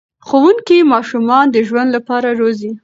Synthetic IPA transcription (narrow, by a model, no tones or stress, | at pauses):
xowuŋkimɑʃumɑnd̪əʒwand̪lapɑɾaɾozi